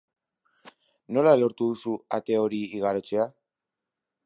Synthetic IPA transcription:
no̞lalo̞ɾt̪uðusuat̪e̞o̞ɾiːɣaɾo̞t͡se̞a

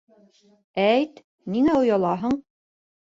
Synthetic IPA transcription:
æjt̪ | niŋæŏjɑlˠɑɦɤɴ

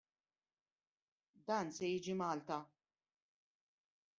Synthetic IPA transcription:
d̪ɐːnsɛjiːd͡ʒimɐːlt̪ɐ

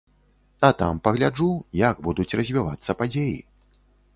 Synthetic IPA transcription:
ɐt̪ampɐɣlʲad͡ʐujɐɡbud̪ut͡sʲrɐzʲvʲiva̰t̪sːɐpad͡zʲejḭ

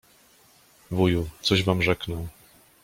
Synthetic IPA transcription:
vujut̪sɔʑvamʐɛknɔw

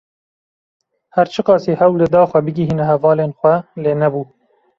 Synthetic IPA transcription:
hæɾt͡ʃʰɨqɑːsiːhɛwlɨd̪ɑːxʷwɛbɨɡʲiɦiːnɛhɛvɑːleːnxʷɛleːnɛbuː

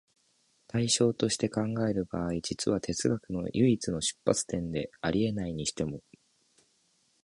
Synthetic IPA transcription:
t̪aiɕo̞ːt̪o̞ɕi̥t̪e̞kãŋɡae̞ɾɯ̟baːid͡ʑit͡sɨβ̞at̪e̞t͡sɨɡakɯ̟no̞̰jʔɯ̟it͡sɨno̞ɕɨ̥pːa̰t͡sɨ̥t̪ẽ̞nd̪e̞aɾʲʔie̞naiɲ̟iɕi̥t̪e̞mo̞

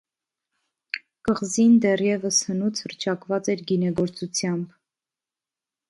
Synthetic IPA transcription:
kəʁzind̪ɛrjɛvəshənut͡sʰhərt͡ʃʰɑkvɑt͡sɛɾɡinɛɡɔɾt͡sut͡sʰjɑmb

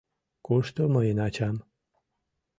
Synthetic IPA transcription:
koʃt̪oməjenat͡ɕam

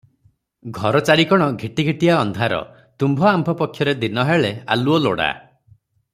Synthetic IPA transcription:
ɡʱɔɾɔt͡ʃaɽikɔɽ̃ɔɡʱiʈiɡʱiʈiaɔnd̪ʱaɾɔ̰ | t̪umbʱɔambʱɔpɔkʰːjɔɾed̪inɔɦeɭea̰luɔlo̰ɽa̰

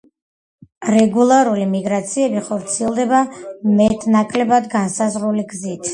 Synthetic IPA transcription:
ɾɛɡulˠaɾulimiɡɾat̪sʰiɛbiχɔɾt̪sʰiɛlˠd̪ɛbamɛt̪ʰʼnakʼlɛbad̪ɡansazɾuliɡzit̪ʰ

